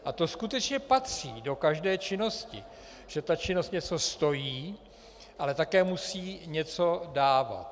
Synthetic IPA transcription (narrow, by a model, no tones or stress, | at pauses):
ʔat̪o̞skut̪ɛt͡ʃɲɛpat̪r̥ḭːdo̞kaʒdɛːt͡ʃɪno̞scɪ | ʒ̥ɛt̪at͡ʃɪno̞st̪ɲɛt͡so̞st̪o̞jiː | ʔalɛt̪akɛːmusiːɲɛt͡so̞daːva̰t̪